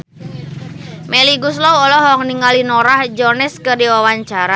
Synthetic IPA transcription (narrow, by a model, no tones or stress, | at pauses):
mɛliɡuslɔwɔlɔɦɔŋniŋalinɔɾahd͡ʒɔnɛskərdiwawaɲt͡ʃaɾa